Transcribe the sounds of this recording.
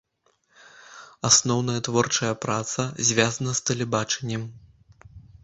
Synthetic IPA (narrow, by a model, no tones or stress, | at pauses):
asnɔwnɐjɐt̪vɔrt͡ʂɐjɐpɾat̪sɐzʲvʲazɐnɐst̪ɐlʲɛbat͡ʂɛnʲːɛm